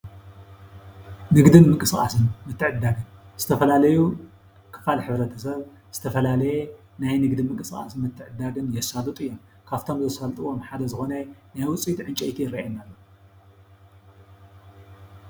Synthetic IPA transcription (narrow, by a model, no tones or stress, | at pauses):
nɨɡd̪ɨnmɨŋkʼɨsxʼa̰sɨnmɨt̪ʰːɨʕɨd̪ːaɡɨnz̥ɨt̪ʰɐfɐlalɐju | kʰɨ̥falħɨβɾɐt̪ʰɐsɐβ | z̥ɨt̪ʰɐfɐlalɐje | najnɨɡd̪ɨnmɨŋkʼɨskʼa̰sɨnmɨt̪ʰːɨʕɨd̪ːaɡɨnjɛsːalut̪ʼɨjːom | kʰaβt̪ʰo̞mzɐsfɐlt̪ʼɨwo̞mħad̪ɐzɨxo̞nɐnajwʊt͡sʼit̪ʕɨnt͡ʃʼɐjt̪ʰijɪɾaa̰jnalːo